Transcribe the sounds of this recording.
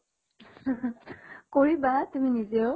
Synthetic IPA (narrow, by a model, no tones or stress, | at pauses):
koɹibatuminizioʊ